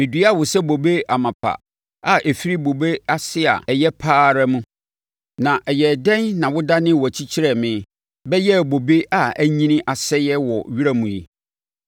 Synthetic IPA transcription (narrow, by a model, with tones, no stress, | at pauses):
mɪ̃˨di˨˦a˦˨wʊ˨sɛ˦bo˨be˦a˨mã˨pʰa̰˨ | a˨ʔe˨fi˦ɾi˦bo˨be˦a˦sɪ˦a̰˨ɛ˨jɛ˦pʰaː˦ɾa˦mũ˦ | nã˨ʔɛ˨jɛ˨dɛ̃˦nːã˨wʊ˦da˦nɪ̃˦wɔ˨æ˨t͡ɕʰi˦t͡ɕʰi˦ɾɛ˨mɪ̃˨˦ | bɛ˦jɛ˦˨bo˨be˦ʔa˨æ˦ɲĩ˦nɪ̃˦ʔa˨sɛ˦jɛ˦wɔ˨ɥi˦ɾæ˦mũ˨jḭ˦